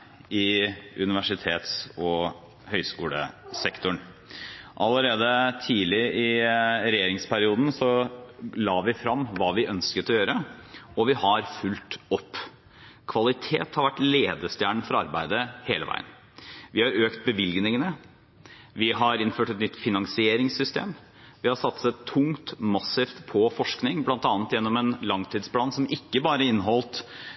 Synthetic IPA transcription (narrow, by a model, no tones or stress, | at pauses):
ɪʔʉnɪʋæʂɪt̪ʰḛːt̪sɔ | hœʏskuːlə̰sɛkt̪ʊɳ | ʔɑləɾeːd̪ət̪ʰiːlɪʔɪɾɛjeːɾɪŋspʰæɾɪuːd̪n̩sɔlɑːʋɪfɾɑmːʋɑːʋɪʔœnskət̪ɔjøːɾəɔʋɪhɑɾfʉlt̪ɔpː | kʰʋɑlɪt̪ʰeːt̪hɑɾʋæʈːleːd̪əst̪jæːɳfɔɾɑ̰ɾbæɪd̪əheːləʋæ̰ɪə̰n | ʋɪhɑɾøːkt̪̚bəʋɪlɡnɪŋənə | ʋɪɦɑɾɪnføːʈɛt̪nʏt̪ːfɪnɑŋsɪeːɾɪŋsːʏst̪ḛːm | ʋɪhɑʂɑt̪sɛt̪ʰːʊŋt̪mɑsɪft̪pʰɔfɔʂknɪŋblɑnt̪ɑːnət̪jɛnːɔmɛnlɑŋt̪ʰiːd̪spʰlɑːnsɔmʔɪkːəbɑːɾəɪnːɦɔlt̪